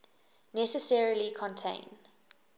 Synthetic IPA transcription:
nɛsəsɛɹilikʰɔ̃ntʰḛ̃ɪ̃n

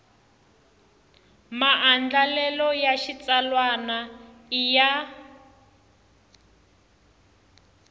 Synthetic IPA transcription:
maʔand͡ɮalɛlɔjaʃit͡salwana | ija

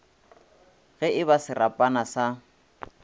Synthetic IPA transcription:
ɣɛɪbasɪrapʼanasa

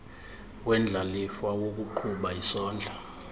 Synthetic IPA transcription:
wɛnd͡ɮʱalifawok̬uǃʰuɓaisɔːnd͡ɮʱa

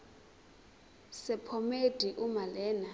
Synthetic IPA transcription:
sɛpʰɔmed̥ʱiʔumalɛːna

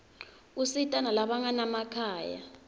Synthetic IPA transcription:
usitʼanalaɓaŋanamakʰaːja̰

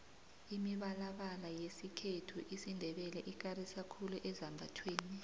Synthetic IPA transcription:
imiɓalaɓalajesikʰetʰuʔisindʱɛɓɛlɛʔik̬arisakʰuluʔɛzambʱa̰tʰweːni

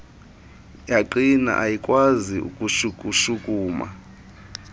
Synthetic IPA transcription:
jaǃina̰ʔajikʼwaziṵkʼuʃukʼuʃukʼuːma̰

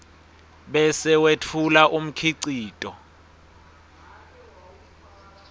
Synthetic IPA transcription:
ɓɛsɛwetʰulaʔum̩kʰiǀiːtʼɔ

